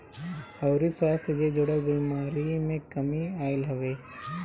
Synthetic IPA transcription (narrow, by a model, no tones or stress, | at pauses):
ɐwɾiswaːst̪ʰəd͡ʒed͡ʒoɽəbiːmaːɾimẽkɐmiaːɪlɦɐʋeː